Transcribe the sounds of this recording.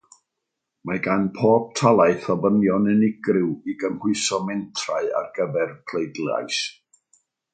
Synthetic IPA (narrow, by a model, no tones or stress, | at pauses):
maɡanpʰoːb̥̚tʰalˠaɨθɔbənjɔnənɪɡrɪwiɡəmhʊɨsɔmɛntʰraɨa̰rɡ̥əvɛrkʰl̥ˠejdlˠa̰js